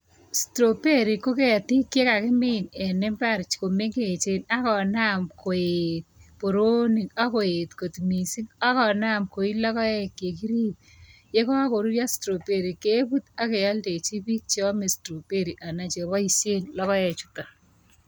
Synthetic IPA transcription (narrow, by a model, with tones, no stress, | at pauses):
stɾo˨pe˦ɾi˨ko˦ke˦a˨ti˦kːje˦ka˨kɪ˦mɪnɛ˨nɛ˦mba˦˨ɾt͡ʃko˨me˦ŋɡe˨t͡ʃe˦na˦kɔ˨na˦mko˨et̚po˨ɾo˦ni˨ka˦ko˨e˨tko˨tmi˨si˦ŋa˦kɔ˨na˦mko˨i˦lɔ˦kɔ˦ɛ˦kːje˨ki˦ɾiː˦t̚ | je˦kɔ˦a˦ko˨ɾu˦ja˦stɾo˨pe˨ɾi˨ke˦pu˦ta˦ke˨ja˦lde˨t͡ʃi˦pi˦k̚t͡ʃe˦ɔ˦me˨stɾo˨pe˦ɾiʔa˨na˨t͡ʃe˨βɔ˦i˦se˦nlɔ˦kɔ˦ɛ˨t͡ʃu̥˦ta˨